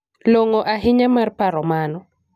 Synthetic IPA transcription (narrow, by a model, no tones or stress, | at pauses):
loŋoʔaɦɪɲamarpaɾɔmanɔ